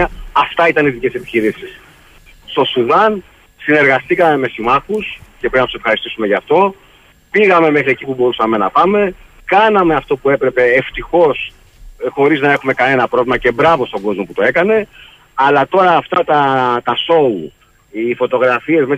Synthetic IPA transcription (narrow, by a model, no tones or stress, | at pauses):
ɐft̪ɐit̪ɐniðice̞se̞piçiɾisis | st̪o̞suðɐn | sine̞ɾɣɐst̪ikɐme̞me̞simɐxuscepeinɐt̪sefxɐɾist̪isume̞ʝɐːft̪o̞ | piɣɐme̞me̞xɾie̞cipubo̞ɾusɐme̞nɐpɐme̞ | kɐnɐmeɐft̪o̞pue̞pɾe̞pe̞ːft̪ixo̞s | xo̞ɾiznɐe̞xume̞kɐne̞nɐpɾo̞vlimɐce̞bɾɐvo̞st̪oɡo̞zmo̞put̪oe̞kɐne̞ | ɐlɐt̪o̞ɾɐːft̪ɐt̪ɐt̪ɐso̞u | ifo̞t̪o̞ɣɾɐfie̞zme